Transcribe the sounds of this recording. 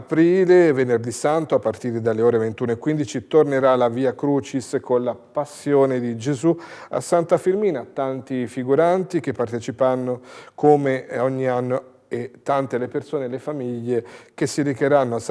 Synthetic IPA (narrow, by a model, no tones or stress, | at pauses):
pɾiːlevenerd̪isant̪oapːart̪iːɾed̪alːeoːɾevent̪uːnoekwind̪it͡ʃit̪orneɾalaviːakɾuːt͡ʃiskonlapasːjoːned̪id͡ʒezua̰sant̪afirmiːnat̪ːant̪ifiɡuɾant̪ik̟epːart̪et͡ʃipɾanːokʰomeɔɲːianːo | et̪ːant̪elepersoːnelefamiʎːek̟esːiɾikeɾanːoas